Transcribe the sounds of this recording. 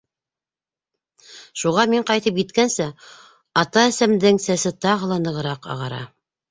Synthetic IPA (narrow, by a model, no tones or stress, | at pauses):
ʃuʁɑmiɴqɑjt̪ɤp̬jit̪kænsæ | ɑt̪ɑæsæmd̪ɘŋsæsɘt̪ɑʁɤ̆lˠɑnɤ̆ʁɤ̆ɾɑqɑ̰ʁɑɾɑ̰